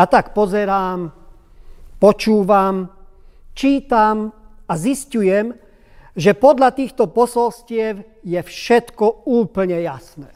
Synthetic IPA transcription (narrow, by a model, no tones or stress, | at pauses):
at̪akpɔzɛɾaːm | pɔt͡ʃuːʋam | t͡ʃiːt̪amaziscujɛm | ʒɛpɔd̪ʎat̪iːxt̪ɔpɔsɔlscɪɛw | jɛfʃɛt̪kɔuːpl̩ɲɛjasnɛː